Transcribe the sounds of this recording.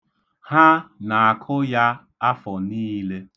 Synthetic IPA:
ha˦na˨a˨kʰʊ˦ja˦ | a˦fɔ˨niː˦le˦

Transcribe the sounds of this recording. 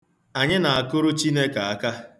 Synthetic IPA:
a˨ɲɪ˦na˨a˨kʊ˦ɾʊ˦t͡ʃi˦ne˦ka˨a˦ka˦

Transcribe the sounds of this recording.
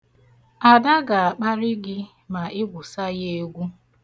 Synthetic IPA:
a˨da˦ɡa˨a˨k͡pa˦ɾɪ˦ɡɪ˦ | ma˨ɪ˦ɡʷʊ˨sa˦je˦e˦ɡʷu˦

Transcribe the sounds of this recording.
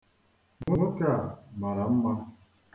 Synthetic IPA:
ŋʊ˦ŋə˦ka˨ma˨ɾa˨m̩˦ma˦

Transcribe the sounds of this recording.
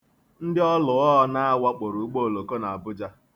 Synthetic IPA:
n̩˦dɪ˦ɔ˦lʊ˨ɔ˦ɦɔ˦na˦a˦wa˦k͡po˨ɾu˨˦k͡po˦o˨lo˨ko˦na˨a˨bʊ˦d͡ʒa˦

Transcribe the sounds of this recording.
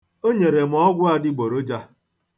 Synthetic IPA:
o˦ɲe˨ɾe˨m̩˨ɔ˦ɡʷʊ˦a˦dɪ˦ɡ͡bo˨ɾo˦d͡ʒa˦

